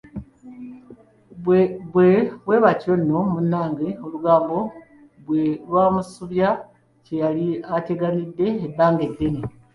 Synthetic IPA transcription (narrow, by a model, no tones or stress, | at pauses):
βweβwe̞ːβaconːo̞munːaːŋɡeoluɡaːmbo̞ | βwewamusuβja | ce̞jaliate̞ɡanidːe̞ːbːaːŋɡedːene